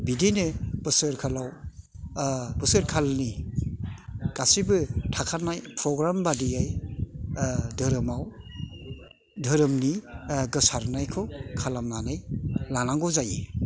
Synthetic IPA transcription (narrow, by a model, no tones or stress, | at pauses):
bidenɯb̥ɯsɯɾkʰalaw | bɯsɯɾkʰalni | ɡ̥asibɯtʰakʰanajpʰɾɔɡɾambadijaj | dʱɯɾɯmaw | dʱɯɾɯmniɡɯsaɾnajkʰɯkʰalamnanɯjlanaŋɡɔzaji